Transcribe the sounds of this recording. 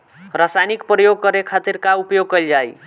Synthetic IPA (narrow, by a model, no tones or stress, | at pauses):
ɾasajnikpɾəjoɡ̚kʌɾekʰat̪iɾkaupjoɡ̚kəjld͡ʒaj